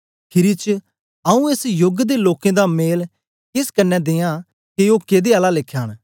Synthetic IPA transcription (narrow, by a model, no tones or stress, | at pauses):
pʰɪɾit͡ʃ | ɐũeːsjʊɡd̪eloːkẽd̪ameːl | kɪskɐnːɛd̪ɪjã | keoːkeːd̪eaːlalɪkʰːjaːɽ